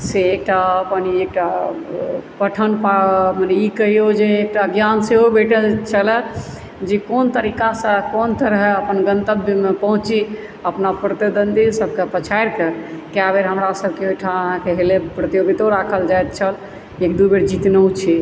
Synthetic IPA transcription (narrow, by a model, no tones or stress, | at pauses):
seːk̚ʈaəpəniek̚ʈa | pəʈʰənpamənɛikəɦiod͡ʒeːk̚ʈaəɡjanseɦobeʈət͡ʃʰələ | d͡ʒekont̪əɾikasə̃kont̪əɾəɦəpənɡə̃nt̪əbmepəɦũt͡ʃi | əpnapɾət̪id̪ənd̪isəb̚ʱkepət͡ʃʰajɾkekjabeɾɦəmɾasəb̚ʱkeojʈʰaəɦãkeɦelepɾət̪ijoɡit̪oɾakʰəld͡ʒajt̪̚t͡ʃʰəl | ekd̪ubeɾd͡ʒit̪nəut͡ʃʰi